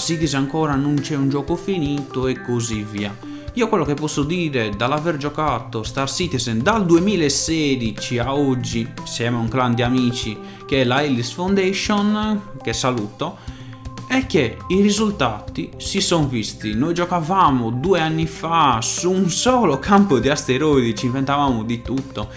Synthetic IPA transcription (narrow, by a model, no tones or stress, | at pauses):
sit̪izaŋkɔːɾanunt͡ʃɛund͡ʒɔːkɔfiniːt̪ɔɛkːoziviːa | iːokwɛlːokepːɔsːod̪iːɾɛd̪alavɛɾd͡ʒɔkat̪ɔst̪asiːt̪izd̪ald̪uemiːlaɛsːeːd̪it͡ʃiaod͡ʒːisjɛːmouŋkland̪iamiːt͡ʃi | kɛɛlaelisfond̪eʃɔnkɛsːaluːt̪ɔ | ɛkːeirizult̪aːt̪isisɔnvist̪inojd͡ʒɔkavaːmɔd̪uːɛanːifasuːnsɔːlɔkʰampɔd̪iast̪eɾojd̪it͡ʃiɱvɛnt̪avaːmɔd̪it̪ut̪ːɔ